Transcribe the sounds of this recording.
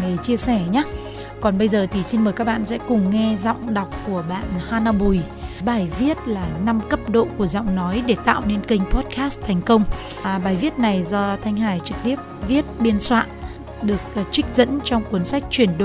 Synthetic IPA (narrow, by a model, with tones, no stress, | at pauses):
ɗe˧˨˩t͡ɕi˧əsɛ˧˩ɲaː˨˦ | kɔ˨˩nɓə˧jzəː˨˩t̪ʰi˨˩si˧nməː˨˩kaː˦˥k̚ɓa̰ː˧˨nsɛ̰˧˥kʊ˨˩ŋ͡mŋɛ˧zɔ̰˧˨wŋ͡mɗa˨˩wk͡p̚ku˧˩əɓa̰ː˧˨nhaː˧na˧ɓu˨˩j | ɓaː˧˩jvi˦˥ət̚laː˨˩na˧mkə˦˥p̚ɗo̰˧˨ku˧˩əzɔ̰˧˨wŋ͡mnɔ˨˦jɗe˧˩t̪a̰ː˧˨wne˧nkï˧ŋ̟pɔ˦˥t̚kaː˦˥st̪ʰɛ˨˩jŋ̟kə˧wŋ͡m | ɓaː˨˩jvi˦˥ət̚na˨˩jzɔ˧t̪ʰa˧jŋ̟ɦaː˧˩jt͡ɕɨ˨˩k̚t̪i˦˥əp̚vi˦˥ət̚ɓi˧ənswa̰ː˧˨n | ɗɨ˨˩ək̚ːk̚t͡ɕï˦˥k̟̚zə̰˧˥nt͡ɕɔ˧wŋ͡mkwu˨˦ənsa˦˥jk̟̚t͡ɕwi˧˩ənɗo˧˨